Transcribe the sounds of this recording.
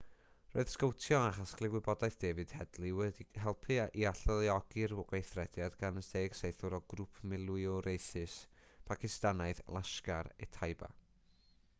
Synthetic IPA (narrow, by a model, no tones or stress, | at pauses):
ro̰ːɨð̥skəwtʰjɔaχasklˠɪɡwɪbɔdaɨθd̥eːvɨd̥hɛdlˠiwɛdiɦɛlˠpʰɨaʔiaɬəlˠiɔɡ̥ɨrɡwejθrɛd̥jadɡanəsdejɡ̥sejθʊɾɔɡrupʰmɪlˠwɨɔɾejθɨspʰakʰɪstanaɨðlˠaʃkaɾɛ̰tʰajba̰